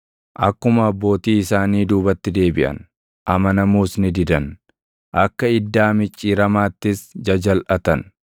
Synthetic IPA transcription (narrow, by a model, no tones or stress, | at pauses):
ʔɐkːʊmɐɐbːo̞ːt̪iːɪsaːniːd̪uːbɐt̪ːɪd̪e̞ːbɪʔɐ̰n | ʔɐmɐnɐmuːsnɪd̪ɪd̪ɐn | ʔɐkːɐɪd̪ːaːmɪt͡ʃʼːiːɾɐmaːt̪ːɪsd͡ʒɐd͡ʒɐlʔɐt̪ɐn